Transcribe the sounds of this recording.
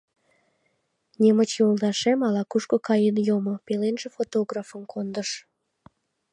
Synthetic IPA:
nʲemət͡ɕolˠd̪ɑʃemɑlɑkuʃkokɑjənjomopelenʒefot̪oɣrafəmkʰond̪əʃ

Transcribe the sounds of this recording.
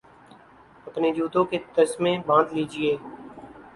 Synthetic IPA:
əpneːd͡ʒuːt̪õːket̪əsmẽːbãːnd̪liːd͡ʒɪeː

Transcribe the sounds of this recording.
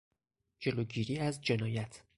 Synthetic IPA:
d͡ʒe̞loːɟiːɾiːæzd͡ʒe̞nɒːjæt̪ʰ

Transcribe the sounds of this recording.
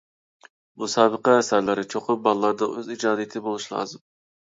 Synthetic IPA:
busɑːbəqɑæsæɾlɪɾɪt͡ʃʰoqʰʊp̚bɑlˠlˠɑɾd̪ɑʔøzid͡ʒɑːd̪ijt̪ʰɪbolˠuʃlˠɑ̰ːzɨm

